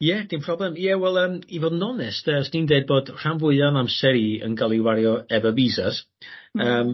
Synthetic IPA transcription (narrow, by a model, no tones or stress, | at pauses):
jɛd̥ĩnpʰr̥ɔblɛmjɛwɛlˠəːmivoːdnɔnɛstəstʰindeɨd̚boːdr̥amvʊɨðanamsɛɾiə̰nɡalˠiwaɾjɔɛvəviːzas | əːm